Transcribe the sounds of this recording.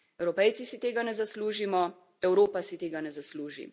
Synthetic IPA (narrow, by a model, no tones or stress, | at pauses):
ɛwɾɔpɛjt̪sisit̪eːɡanɛzasluːʒimɔ | ɛwɾoːpasit̪eːɡanɛzasluːʒḭ